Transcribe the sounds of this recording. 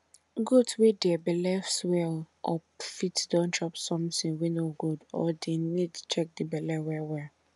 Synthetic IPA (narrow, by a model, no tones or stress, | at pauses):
ɡudwedɛɛbɛlɛfswɛl | ɔpfitdɔ̃nt͡ʃɔpsɔ̃mtĩnwinoɡudɔ̰denid̚tʰu̥t͡ʃɛk̚dibɛlɛwɛwɛl